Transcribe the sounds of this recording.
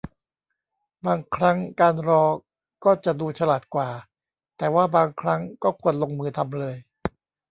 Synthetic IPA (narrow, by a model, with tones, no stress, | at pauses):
baː˧ŋkʰɾa˦˥ŋkaː˧nɾɔː˧ | kɔː˥˩t͡ɕa˨˩duː˧t͡ɕʰa˧laː˨˩t̪̚kwaː˨˩ | t̪ɛː˨˩waː˥˩baː˧ŋkʰɾa˦˥ŋkɔː˥˩kʰu˧ənlo˧ŋmɯː˧t̪ʰa˧mlɤː˧j